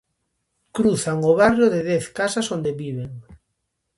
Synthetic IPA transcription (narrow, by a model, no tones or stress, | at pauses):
kɾuθaŋoβarjoðeðɛθkasasond̪eβiβ̞eŋ